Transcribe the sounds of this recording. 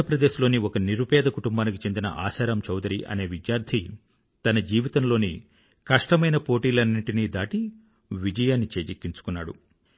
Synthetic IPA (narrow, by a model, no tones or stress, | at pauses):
ɐpɾɐd̪e̞ːʃlo̞ːniɔkɐniɾupɛːd̪ɐkuʈumbaːnikit͡ʃe̞nd̪inɐ̰ʔa̰ːʃaːɾaːmt͡ʃɐwd̪ɐɾiʔɐ̰ne̞ːʋid̪jaːɾd̪ʰʱi | t̪ɐnɐd͡ʒiːʋit̪ɐmlo̞ːni | kɐʂʈɐmɐjnɐpo̞ːʈiːlɐnːiɳʈiniːd̪aːʈi | ʋid͡ʒɐjaːnːit͡ʃeːd͡ʒikːiɲt͡ʃu̥kunːa̰ːɽṵ